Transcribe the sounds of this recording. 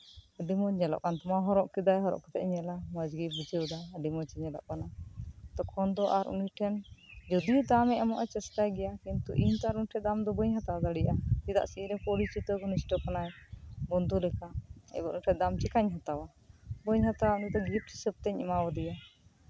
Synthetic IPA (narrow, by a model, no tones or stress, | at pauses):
əɖimɔɲɛlɔ̰ʔkant̪ɔmaɦɔɾɔʔkid̪ajɦɔɾɔ̰ʔkɔ̥t̪ɛʔɲɛlaməd͡ʒɡibud͡ʒəd̪aəɖimɔt͡ʃɛɲɛlɔ̰ʔkanat̪ɔkʰɔnd̪ɔʔaɾʔṵniʈʰɛnd͡ʒɔd̪ijud̪amɛʔɛmɔʔɛt͡ʃɛsk̪ajɡɛjakint̪ṵʔiɲt̪ɔaɾuniʈʰɛd̪amd̪ɔbəɲɦat̪awad̪aɽiʔaid̪a̰ʔsiiɾɛpɔɽit͡ʃit̪ɔɡɔnisʈɔkanajbɔnd̪ulɛkaɛ̰bɔʔuniʈʰɛd̪amt͡ʃɛkaɲɦat̪awa | bəɲɦat̪awaunid̪ɔɡip̪̚t͡ʃi̥səp̚t̪ɛɲimawad̪ɛja